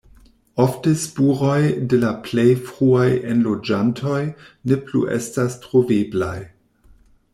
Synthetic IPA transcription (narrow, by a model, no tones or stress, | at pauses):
oftəspuʁo̞jdelaplejfʁuajenlod͡ʒantʰo̞jneplṵʔḛstastʁovebla̰j